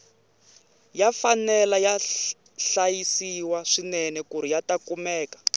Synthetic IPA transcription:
jafanɛlaja | ɬajisiwaʂinɛnɛkuɾ̤ijatakumɛːkḁ

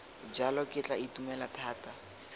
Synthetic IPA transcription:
d͡ʒalɔkʼɪt͡ɬʼaitumɛlatʰaːta

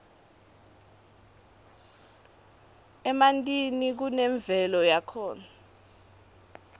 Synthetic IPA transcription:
ɛmantʼinik̬unɛɱb̪vʱɛlɔjakʰɔːna

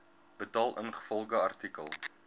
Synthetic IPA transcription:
b̥ətɑːlˠʔənχə̥fɔlˠχəɐrtikə̰lˠ

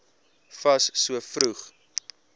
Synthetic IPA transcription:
fɐsːuəfɾuχ

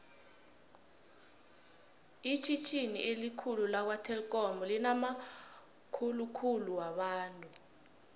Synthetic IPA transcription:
it͡ʃʰit͡ʃʰinḭʔelikʰululak̬watʰɛlk̬ʼɔmɔlinama | kʰulukʰuluwaɓaːntʼu

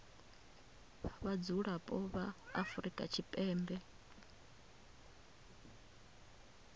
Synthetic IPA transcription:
βad͡zuɺapʼɔβaːfuɾikʼa̰t͡ʃʰipʼɛːmbɛ

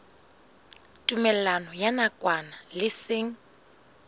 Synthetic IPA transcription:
tʼumɛllanɔjanakʼwanalɪsɪŋ̩

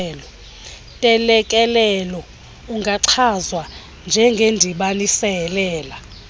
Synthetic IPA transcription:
lɔ | tʼɛlɛkʼɛlɛlɔ | uŋʱaǀʰazwa | nd͡ʒʱɛŋɡʱendʱiɓanisɛlɛːla

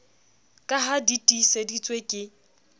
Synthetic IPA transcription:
kʼaɦaditʼisedit͡sʼwekʼɪ

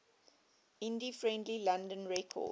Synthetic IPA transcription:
ɪ̃ndifɹɛ̃ndlilãndə̃nɹɛkʰɔ̰

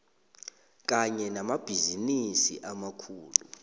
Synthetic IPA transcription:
k̬ʼaɲɛnamab̥ʱizinisḭʔamakʰuːlu

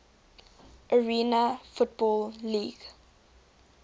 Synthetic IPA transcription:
ʔəɹiːnəfut̚bɔːlˠliːɡ̥

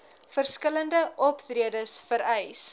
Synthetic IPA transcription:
fərskələndəʔɔptriədəsfəɾɛjs

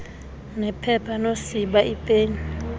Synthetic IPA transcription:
nɛpʰɛpʰanosiɓaʔipʼeːɲi

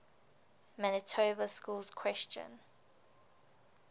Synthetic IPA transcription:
manətʰoːbəskuːlz̥kʰw̥ɛst͡ʃə̰̃n

